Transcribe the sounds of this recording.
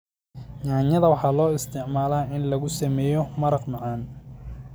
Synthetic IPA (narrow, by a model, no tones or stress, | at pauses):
ɲaːɲɐðɐwɑħɑːlɔːɪst̪ʰɪʕmaːlaːɪnlɐɣʊsɐmɛːjɔmɐɾɐqmɑʕɑːn